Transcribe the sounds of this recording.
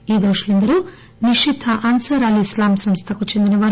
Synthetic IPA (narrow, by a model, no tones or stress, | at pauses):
iːd̪oːʂulind̪ɐɾu | niʂid̪ʱʰɐʔɐnsɐɾɐliislaːmsɐmst̪ʰɐkut͡ʃend̪inɐʋɐɾ